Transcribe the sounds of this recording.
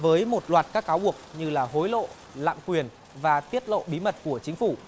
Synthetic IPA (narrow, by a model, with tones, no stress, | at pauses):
vəː˨˦jmo˨˩t̚lwaː˨˩t̚kaː˦˥kːaː˨˦wɓək̚ɲɨ˧laː˨˩ho˨˦jlo̰˧˨ | la̰ː˧˨mkwi˨˩ən | vaː˨˩t̪i˦˥ət̚lo̰˧˨ɓi˨˦mə˨˩t̚ku˧˩ət͡ɕï˨˦ŋ̟fu˧˩